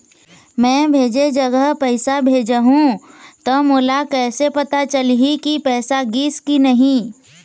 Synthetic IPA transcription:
mɛ̃ːbʱeːd͡ʒed͡ʒəɡəɦpəɪsabʱeːd͡ʒəɦũt̪omoːlakɛːsepɐt̪at͡ʃəlɦikipɛːsaɡiːskinɐɦĩ

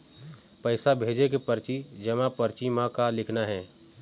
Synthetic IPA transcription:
pəɪsabʱeːd͡ʒekepəɾt͡ʃid͡ʒɐmãpəɾt͡ʃimãkalɪkʰnaɦɛː

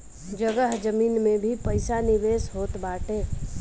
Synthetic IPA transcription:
d͡ʒəɡəɦd͡ʒəmiːnmẽbʱipəɪsanɪʋeːsɦoːt̪baːʈeː

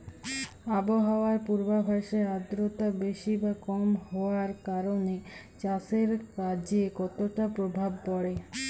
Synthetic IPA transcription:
aboɦaoaɾpuɾbabʱaʃead̪ɾot̪abeʃibakɔmhɔaɾkaɾone | t͡ɕaseɾkad͡ʑekɔt̪oʈapɾobʱab̚pɔɽe

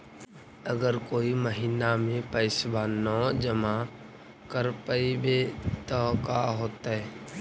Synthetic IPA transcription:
əɡəɾkoːiməɦiːnamẽpəɪsbaːnɔ̃d͡ʒəma | kəɾpəibet̪ɔkaɦoːt̪aɦɛː

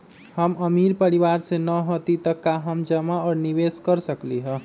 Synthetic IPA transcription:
həməmiɾpəɾiʋaɾsẽnəɦot̪it̪əkːaɦəmd͡ʒəmaɔɾniʋeskəɾsəkliɦə

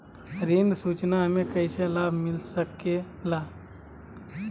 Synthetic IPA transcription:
ɾiːnsuːt͡ʃnaɦəmẽkəjselaːbʱmɪlsəke | laː

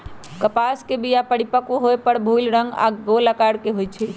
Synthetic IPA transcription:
kəpaskebijapəɽipəkuɦojpəɽbʱulɾəŋɡa̰ɡoləkaɽkeɦojt͡ʃʰi

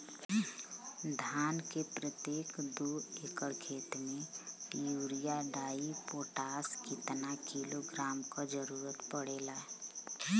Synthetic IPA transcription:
d̪ʱaːnkepɾət̪jeːkd̪oekəɭkʰeːt̪mẽjuːɾijaɖaːipoːʈaːskɪt̪nakiloɡɾaːmkad͡ʒəɾuːɾət̪pəɽeːlaːɛ

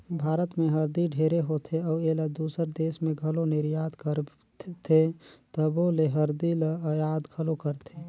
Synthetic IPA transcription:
bʱaːɾət̪mẽɦəɾd̪iɖʱeːɾeɦot̪ʰeɔːeːlad̪uːsəɾd̪eːsmẽɡʱəlonɪɾjaːd̪kəɾ | t̪ʰet̪əboːleɦəɾd̪ilejaːd̪ɡʱəlokəɾt̪ʰe

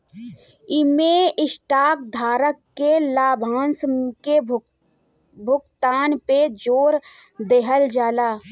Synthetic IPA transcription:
ɪmeɪsʈaːk̚d̪ʱaːɾəkːelaːbʱaːnske | bʱʊkt̪aːnped͡ʒoːɾ | d̪eɦəld͡ʒaːlaː

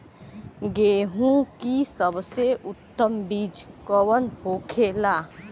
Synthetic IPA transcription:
ɡeːɦũkisəbseʔʊt̪ːəmbiːd͡ʒkɔwənpoːkʰeːlaː

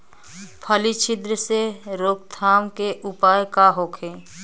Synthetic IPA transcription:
pʰəlit͡ʃʰɪd̪ɾəseɾoːk̚t̪ʰaːmkeʔʊpaːjkaɦoːkʰeː

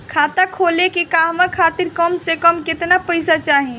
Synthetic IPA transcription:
kʰat̪akʰolekikaɦmãkʰat̪iɾkəmsekəmket̪napəjsat͡ʃaɦĩ

